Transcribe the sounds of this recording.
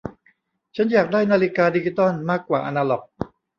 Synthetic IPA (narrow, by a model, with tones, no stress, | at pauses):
t͡ɕʰa˦˥njaː˨˩k̚daː˥˩jnaː˧li˦kaː˧di˧t͡ɕi˦˧t̪ɔ˥˩nmaː˥˩kːwaː˨˩ʔa˧naː˧lɔ˨˩k̚